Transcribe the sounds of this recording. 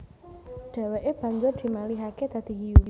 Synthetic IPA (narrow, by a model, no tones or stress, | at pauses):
ɖ̥a̤weʔeb̥a̤ɲd͡ʒʊrd̪̥i̤maliɦaket̪ad̪̥iɦijul